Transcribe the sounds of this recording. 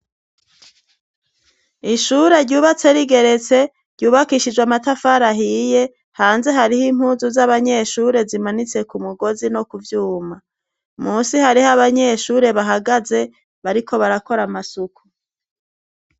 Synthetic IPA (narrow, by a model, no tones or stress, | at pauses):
iʃuɾe̞ɾɟuːβat͡se̞ɾiɡe̞ɾe̞t͡se̞ | ɾɟuːβakiːʃid͡ʒɡwamatafaɾaɦije̞ | haːnze̞ɦaɾihim̥huːzuzaβaɲe̞ʃuːɾe̞zimanit͡se̞kumuɡo̞zino̞kuvjuːma | muːsihaɾihaβaɲe̞ʃuːɾe̞βaɦaɡaze̞ | βaɾikʰo̞βaɾako̞ɾamasuku